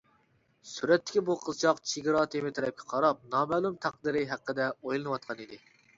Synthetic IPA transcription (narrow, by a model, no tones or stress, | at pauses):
syɾɛt̪ːɪ̥kʲibuqʰəzt͡ʃʰɑqt͡ʃʰiɡʲɨɾɑt̪ʰemɪt̪ʰɛɾɛp̚kʲʰɛ̥qʰɑɾɑp̚nɑmɛːlˠumt̪ʰæq̚d̪ɨɾɪɦæqːəd̪ɛojlˠɨnɨwɑt̪̚qʰɑnid̪ɪ